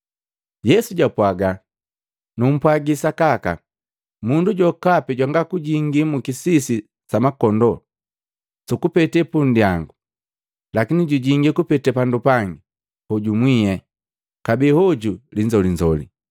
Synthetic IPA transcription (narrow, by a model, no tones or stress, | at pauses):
jɛsuɟapwaɡa | num̩pwaɡisakaka | munduɟɔkapɛɟwaŋɡakuɟiŋɡimukisisi | samakɔndɔ | sukupɛtɛpundijaŋɡu | lakiniɟuɟiŋɡikupɛtɛpandupaŋɡi | hɔɟumwijɛ | kabihɔɟuliɲd͡ʒɔliɲd͡ʒɔlḭ